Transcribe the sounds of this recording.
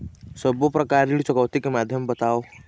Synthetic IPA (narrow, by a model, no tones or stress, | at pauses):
səbopɾɐkaɾiɽit͡ʃɔkəwt̪ikemaːd̪ʱjəmbət̪ao